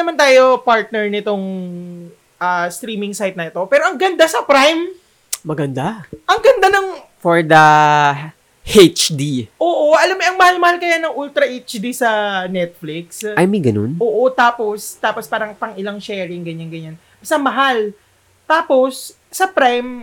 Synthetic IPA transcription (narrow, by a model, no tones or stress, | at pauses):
nɐmant̪aːjo̞paɹt̪̚nɛɹnɪt̪o̞ŋ | ʔast̪ɾiːmɪŋsajt̪̚nɐɪt̪o̞pɛːɾoʔɐŋɡɐnd̪asɐpɾajm | mɐɡɐnd̪aʔɐŋɡɐnd̪anɐŋ | foɹd̪ɐ | het͡ʃd̪iʔoːʔoʔɐlamɲɛʔɐŋmɐhalmɐhalkɐjanɐŋʔult̪ɾɐʔejt͡ʃd̪isɐnɛt̪̚flɪksʔajmiɡɐno̰nʔoːʔo̞t̪aːpo̞st̪aːpospaːɾɐŋpɐŋɪlaŋʃɛːɹɪŋɡɐɲanɡɐɲan | sɐmɐɦal | t̪aːpo̞sː | ɐpɾajm